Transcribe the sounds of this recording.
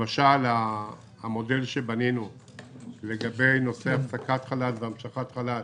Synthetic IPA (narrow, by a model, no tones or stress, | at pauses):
maʃalaː | mo̞de̞lʃebaninu | le̞ɡabe̞jno̞se̞afsakatχalalveamʃaχat̪χalal